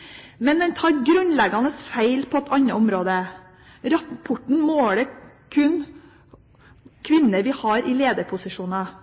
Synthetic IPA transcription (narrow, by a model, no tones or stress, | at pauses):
mɛnd̪ɛnt̪ʰɑːɾɡɾʉnlɛɡɑnəsfæɪlpʰɔɛt̪ʰɑɲəʊmɾoːd̪ə | ɾɑpʰɔʈɳ̩moːlə | kʰʉn | kʰʋɪnːəɾʋɪhɑɾɪleːd̪əɾpʰʊsɪʂuːnɑ